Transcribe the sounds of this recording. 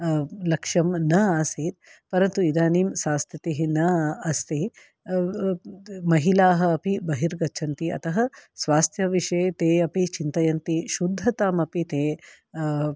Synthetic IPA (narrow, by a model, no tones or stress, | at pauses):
lɐkʂɐmnɐaːsiːt̪̚pɐɾɐnt̪uid̪aːniːmsaːst̪ʰjɐt̪iɦinɐɐst̪i | mɐɦilaːɦɐɐpibɐɦiɾɡɐt͡ʃʰɐnt̪iɐ̰t̪ɐɦɐ̆sʋaːst̪ʰjɐʋiʂeːt̪eːɐpit͡ʃint̪ɐjɐnt̪iʃud̪ʱːɐt̪aːmɐpit̪eː